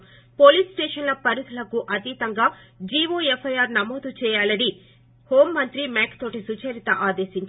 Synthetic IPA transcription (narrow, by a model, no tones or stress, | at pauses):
po̞ːliːsʈeːʂɐnlɐpɐɾut̪ʰɐlɐkuʔɐt̪it̪ɐŋɡaː | d͡ʒiːʋoːepʰːɐjaːɾnɐmoːd̪ut͡ʃɛːjaːlɐɽi | hoːmːɐnt̪ɾimaːkt̪o̞ːʈisut͡ʃɐɾit̪ɐʔaːd̪e̞ːʃiɲt͡ʃ